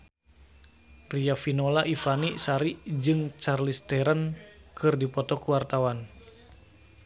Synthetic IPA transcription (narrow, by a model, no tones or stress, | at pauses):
riafinolaʔifanisaɾid͡ʒɨŋt͡ʃarlist̪ɛɾankɨrdipɔt̪ɔkuwart̪awan